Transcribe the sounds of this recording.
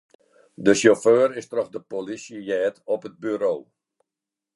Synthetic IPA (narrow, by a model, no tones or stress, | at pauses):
dəsjoføːɾɪstrɔxdəpolisjəjɛːtɔpɦəd̚byɾoː